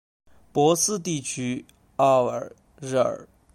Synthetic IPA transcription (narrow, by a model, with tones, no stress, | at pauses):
pwɔ˧˥sɹ̩˥˧t̪i˥˩t͡ɕʰy˥ | ɑ˥˩ə˨˩˥ | ɻ̩˥˩ə̰˨˩˦